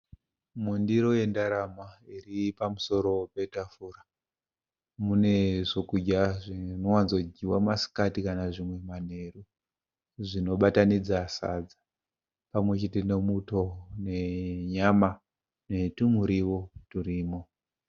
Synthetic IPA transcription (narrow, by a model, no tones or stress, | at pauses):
mundiɾo̞je̞ndaɾamairipamuso̞ɾo̞pe̞tafura | mune̞ʐo̞kud͡ʒaʐinowanzod͡ʒiwamasi̥katikanaʐimwe̞man̤e̞ru | ʐino̞ɓatanid͡zasa̰d͡za | pamwe̞t͡ʃetine̞muto̞ne̞ɲama | ne̞tumuɾiwoturiːmo̞